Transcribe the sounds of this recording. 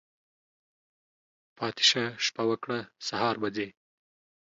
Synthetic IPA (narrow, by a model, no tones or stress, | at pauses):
pʰɑːt̪ɪ̥ʃaʃpawakɽasaɦɑːɾbad͡ze